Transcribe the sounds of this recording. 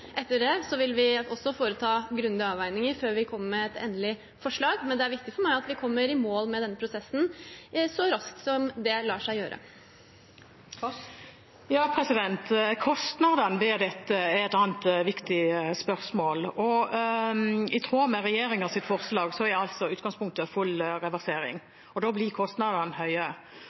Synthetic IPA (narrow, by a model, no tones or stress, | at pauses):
ʔɛt̪ːəɖɛsɔʋɪlʋɪɔsːɔfoːɾət̪ʰɑːɡɾʉnd̪əɑːʋæɪnɪŋəɾføːɾʋɪkʰɔmːəɾmɛɛt̪ʰḛːnəlɪ | fɔʂɭɑːɡmɛnd̪ɛæɾʋɪk̚t̪ɪfɔɾmæɪɑt̪ʋɪkʰɔmːəɾɪmoːlmɛd̪ɛnːəpʰɾʊsɛsːn̩sɔɾɑskt̪sɔmd̪ɛlɑːʂæɪjøːɾʔə̰ | jɑːpʰɾɛsɪd̪ɛnt̪kʰɔst̪nɑd̪ənʋɛd̪ɛt̪ːəɛɛt̪ɑnt̪ʋɪkt̪ɪspœɾsmoːlɔ | ɪt̪ʰɾoːmɛɾɛjeːɾɪŋɑsɪt̪fɔɾslɑːɡsɔæɾæɑlt̪sɔʉːt̪̚ɡɑŋspʰʊŋk̚t̪əfʉlːɾɛʋæɾseːɾɪ̰ŋ | ɔd̪oːblɪkʰɔst̪nɑd̪ɑnhœʏə